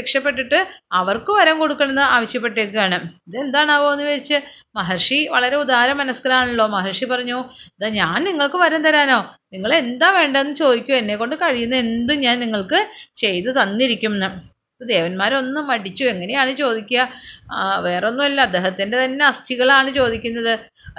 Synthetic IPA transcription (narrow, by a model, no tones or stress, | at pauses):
ekʂɐpːe̞ʈ̬ːiʈːɨɐʋɐrkɨʋɐɾɐːmkoɽukːɐɳenːɨaːʋɐɕjɐp̬ːe̞ʈːekːujaːɳɨiðe̞nd̪aːɳaːʋoenːɨʋɐɾit͡ɕːɨ | mɐɦɐrʂiʋɐɭɐɾe̞ud̪aːɾɐmɐnɐsɡɐɾaːɳuɭːo̞ːmɐɦɐrʂipɐrɐɲːuːðaɲaːnniŋːɐɭkɨʋɐɾɐnt̪ɐɾaːno̞ːniŋːɐɭe̞nd̪aːʋe̞ːɳɖɐðenːɨt͡ɕo̞ːd̪ikʲːue̞nːe̞kːo̞ɳɖɨkɐɻijunːɐe̞nd̪umɲaːnniŋːɐɭkɨt͡ɕe̞jt̪ɨt̪ɐnːiɾikʲːumnːɨ | ɐpːod̪e̞ːʋɐnmaːɾo̞nːɨmɐɽit͡ɕːue̞ŋːɐne̞jaːɳɨt͡ɕo̞ːd̪ikʲːuɐ | ʋe̞ːronːumɐlːɐɐd̪ːe̞ːɦɐt̪ːinde̞t̪ɐnːe̞ɐst̪ʰiɣɐɭaːɳɨt͡ɕo̞ːd̪ikʲːunːɐðɨ